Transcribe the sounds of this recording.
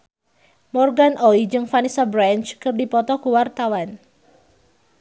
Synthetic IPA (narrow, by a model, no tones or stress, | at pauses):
mɔrɡanɔid͡ʒɨŋfanisabɾant͡ʃkərdipɔt̪ɔkuwart̪awan